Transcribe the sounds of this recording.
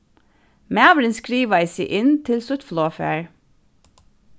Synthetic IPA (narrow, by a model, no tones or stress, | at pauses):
mææʋɾɪnskɾiːʋɑɪsiʔɪnt̪ʰɪlsʊt̪floːfḛːɹ